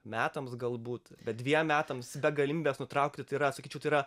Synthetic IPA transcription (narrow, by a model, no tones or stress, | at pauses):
mʲæːt̪ɐmsɡɐlˠbuːt̪bʲɛt̪̚d̪ʲʋʲiɛmmʲæːt̪ɐmsbʲɛɡɐlʲɪmʲiːbʲeːsnʊt̪ɾɐʊk̚t̪ʲɪt̪ɐɪɾɐsɐkʲiːt͡ʃʲɛʊt̪ɐɪiːɾɐ